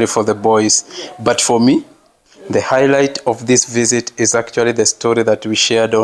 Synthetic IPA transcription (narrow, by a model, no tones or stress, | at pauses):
lifə˞ðəbɔɪz̥bʌtfə˞mi | ðɨhaɪlaɪtʌvðɪsvɪzɪɾɪzæk̚t͡ʃul̩ˠiðɨstʰɔɹiðɨt̚wiʃɛɹd̃